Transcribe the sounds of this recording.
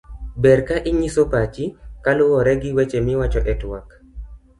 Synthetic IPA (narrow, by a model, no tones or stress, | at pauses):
bɛrkaʔɪɲisopat͡ʃikalʊwɔɾɛɡɪwɛt͡ʃemɪwat͡ʃɔʔɛtwak